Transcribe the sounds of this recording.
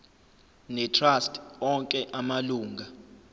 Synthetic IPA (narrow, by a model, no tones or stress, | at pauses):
nɛtʰrastʰʼɔŋkʼɛʔamaluːŋɡʱa